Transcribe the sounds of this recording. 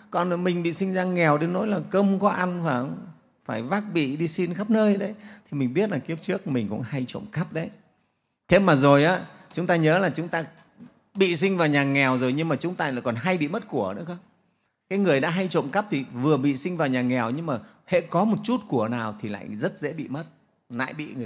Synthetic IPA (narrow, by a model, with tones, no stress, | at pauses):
kɔ˨˩n˨mï˨˩ŋ̟ɓḭ˧˨sï˧ŋzaː˧ŋɛ˨˩wɗe˨˦nːo̰˧˥jlaː˨˩kə˧mkɔ˨˦ʔa˧nfaː˧˩ŋ | faː˧˩jvaː˦˥k̚ɓḭ˧˨ɗi˧si˧nxa˦˥p̚nəː˧jɗə˨˦jt̪ʰi˨˩mï˨˩ŋ̟ɓi˦˥ət̚laː˨˩ki˦˥əp̚t͡ɕɨ˦˥ək̚mï˨˩ŋ̟kʊ̰˧˥ŋ͡mha˧jt͡ɕo̰˧˨ŋ͡mkə˦˥p̚ɗə˨˦j | t̪ʰe˨˦maː˨˩zo˨˩jʔaː˨˦t͡ɕʊ˨˦ŋ͡mt̪aː˧ɲəː˨˦laː˨˩t͡ɕʊ˨˦ŋ͡mt̪aː˧ | ɓḭ˧˨sï˧ŋ̟vaː˨˩wɲaː˨˩ŋɛ˨˩wzo˨˩jɲɨ˧ŋmaː˨˩t͡ɕʊ˨˦ŋ͡mt̪aː˧laː˧˨jkɔ˨˩nɦa˧jɓḭ˧˨mə˦˥t̚ku˧˩ənɨ̰˧˥əxə˦ŋ͡m | kaː˨˦jŋɨ˨˩əjɗa̰ː˧˥ɦa˧jt͡ɕo̰˧˨ŋ͡mkə˦˥p̚t̪ʰi˨˩vɨ˨˩əɓḭ˧˨si˧ŋ̟vaː˨˩wɲaː˨˩ŋɛ˨˩wɲɨ˧ŋmaː˨˩ | hḛ˧˥kɔ˨˦mo˨˩t̚t͡ɕu˦˥t̚ku˧˩ənaː˨˩wt̪ʰi˨˩la̰ː˧˨jzə˦˥t̚zḛ˧˥ɓḭ˧˨mə˦˥t̚ | la̰ː˧˨jɓḭ˧˨ŋ˨˩